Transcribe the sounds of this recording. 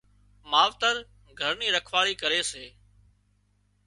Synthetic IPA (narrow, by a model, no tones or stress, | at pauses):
maːʋt̪əɾ | ɡʱəɾniːɾəkʰʋaːɭiːkəɾeːseː